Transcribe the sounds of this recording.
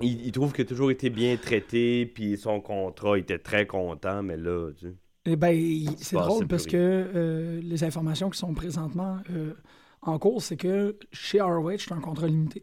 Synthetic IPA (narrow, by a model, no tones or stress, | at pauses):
iit̪ʁuvkʲjat̪uʒuːʁet̪ebjɛ̃t̪ʁɛt̪episɔ̃kɔ̃ːt̪ʁɔet̪ɛt̪ʁɛkɔ̃ːt̪ãmɛlʌt͡se | bɛ̃iseʁolpaʁsəkəː | lezɛ̃fɔʁmasjɔ̃kʲi̥sɔ̃pʁezɑ̃t̪mɑ̃ø | ɑ̃kuːʁsekʲəʃeɑwɛt͡ʃt̪ɛ̃kɔ̃t̪ʁɔlimit̪e